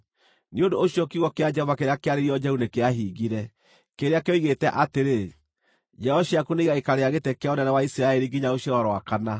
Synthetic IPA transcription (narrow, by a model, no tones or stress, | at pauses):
neondoːɕiɔkiɣwɔkead͡ʒɛɔvakeɾeakeaɾeɾiɔd͡ʒɛunekeaɦiɣiɾɛ | keɾeakeoiɣetɛʔateɾe | d͡ʒɛɔɕiakuneiɣaekaɾeaɣetɛkeɔnɛnɛwaisiɾaɛɾiŋɡiɲaoɕjɔɾɔɾowakana